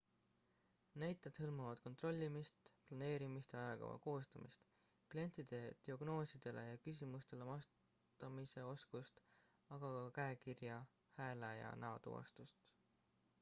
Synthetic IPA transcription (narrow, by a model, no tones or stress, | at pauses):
næjt̪ːˑed̪̥hɤlmɑvɑd̪̥̚ko̞nt̪ˑro̞lʲːimist̪plɑne̞ːɾimist̪eɑjɑɡ̥ɑ̰vɑ̰ko̞ːst̪ɑmḭst̪ | klie̞nt̪ˑid̪̥e̞d̪̥iɑɡ̥no̞ːsid̪̥e̞lʔe̞jɑkys̬ʲimust̪e̞le̞mɑs | t̪ɑmise̞o̞skust̪ | ɑɡ̥ɑkɑkæekirjɑ | hæːlejɑ̰nɑot̪ṵɑ̰st̪ust̪